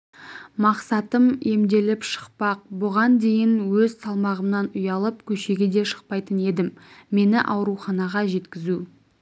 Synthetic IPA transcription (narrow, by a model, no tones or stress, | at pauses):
mɑqsɑt̪əme̞md̪e̞lɪpʃə̥qpɑq̚bʊʁɑnd̪e̞jɪnwɵzsɑlˠmɑʁəmnɑnʊjɑlˠəpkʲʰɵʃe̞ɡʲed̪e̞ʃə̥q̚pɑjt̪əne̞d̪ɪmːe̞nɪʔɑwɾuχɑnɑʁɑʒe̞t̪kʲɪzu